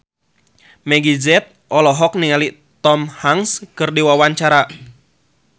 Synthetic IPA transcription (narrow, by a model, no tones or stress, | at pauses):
mɛɡizɛt̪̚ʔɔlɔɦɔk̚niŋali | t̪ɔmhaŋskɨrdiwawaɲt͡ʃaɾa